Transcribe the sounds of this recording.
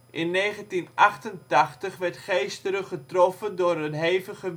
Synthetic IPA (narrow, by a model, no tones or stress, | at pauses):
ʔɪnːeːχəntinʔaχtəntaχtəχʋɛrtχejstələχətrɔfəndʊːrətɦeːvəχə